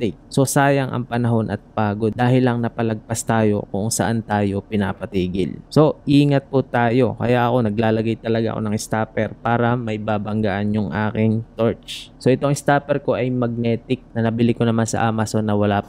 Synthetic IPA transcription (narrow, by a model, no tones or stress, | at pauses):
t̪ɪk̚so̞saːjɐŋʔɐ̰ŋpɐnɐɦo̞nʔɐ̰t̪̚paːɡo̞d̪d̪aːɦɪlɐŋnɐpɐlɐɡ̚past̪aːjo̞̰kʊʔŋsɐ̰ʔant̪aːjo̞pɪnaːpɐt̪iːɡɪ̰lso̞ʔiːŋɐt̪̚pʊt̪aːjo̞kɐ̰jaʔɐko̞nɐɡ̚laːlɐɡajt̪ɐlɐɡaʔɐ̰ko̰nɐŋɪst̪aːpɛɾpaːɾɐmɐjbaːbɐŋɡaʔanjʊŋʔa̰ːkɪŋt̪oɹt͡ʃso̞ʔɛt̪o̞ŋɪst̪aːpɛɾko̞ʔɐjmɐɡ̚nɛːt̪ɪk̚nɐnɐbɪlɪkonɐmansɐ̰ʔaːmɐso̞nːɐwɐlaː